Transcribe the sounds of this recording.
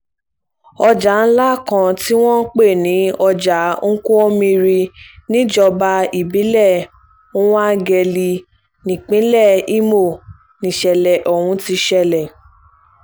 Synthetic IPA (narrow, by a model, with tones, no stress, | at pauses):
ɔ˧d͡ʒa˨˦n̩˦la˦˨kã˧ti˦w̃ɔ̃˦k͡pe˦˨nĩ˨˦ɔ˧d͡ʒa˨˦ŋ̩˦kũ˦ɔ˦mĩ˧ɾi˧nĩ˦d͡ʒɔ˧ba˧i˨bi˨˦lɛ˦˨ | ũ˦wa˦ɡɛ˧˨li˧ | nĩ˨k͡pĩ˨˦lɛ˦˨i˦mo˦˨ | nĩ˨ʃɛ˨lɛ˨ʔɔ˨hũ˨˧ti˧ʃɛ˧lɛ˨